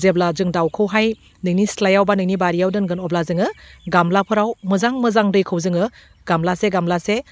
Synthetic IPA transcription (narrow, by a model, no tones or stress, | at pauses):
zeblazɯŋdawkʰɯwɦaj | nɯŋnislajawbanɯŋnibaɾijawdɯnɡɯnɔblazɯŋɯɡamlapʰɯɾawmɯzaŋmɯzaŋdɯjkʰɯwzɯŋɯ | ɡ̥amlaseɡamlase